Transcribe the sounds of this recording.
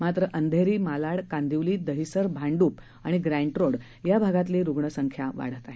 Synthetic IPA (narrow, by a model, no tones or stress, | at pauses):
mat̪ɾəʔənd̪ʱeɾiːmalaɽkãnd̪iʋliːd̪əɦisəɾbʱaɳɖuːp | aɽ̃iɡɾãɳʈɾoɽ | jabʱaɡat̪leɾuɡɳəsəŋkʰjaʋa̰ɽ̤ət̪aɦe